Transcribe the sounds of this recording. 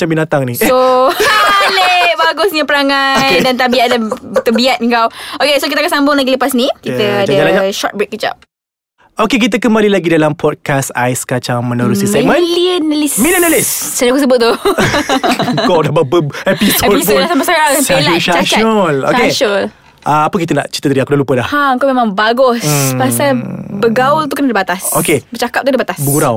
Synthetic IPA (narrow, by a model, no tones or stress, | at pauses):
t͡ʃambinat̪aŋniso | eleʔbaɡʊsɲapəɾaŋajdant̪̬abiaadat̪əbiat̪̚iŋkawokesokit̪akaʔsambʊŋlaɡiləpasnikit̪əaəalaɲaʃɔt̪̚bɾek̚ːət͡ʃa̰p̚ | okek̬it̪̬əkəmbalilaɡidalampʰɔt̚kasa̰jskat͡ʃaŋmə̃nuɾusisɛk̚mə̃nliənəlismilənəlissaakus̬əbʊt̪̚t̪ːu | əkadababəɛisɛd̚poasamasaɾaelaoat͡ʃaalo̰eʃol | aapək̬it̪əna̰ʔt͡ʃi̥t̪ət̪əɾiakudahlupədahhaəŋkawmẽmãŋbaɡɔspasalbəɡault̪̬ukənadəbat̪asokebət͡ʃakap̚t̪ukdabat̪asbəɡuɾaw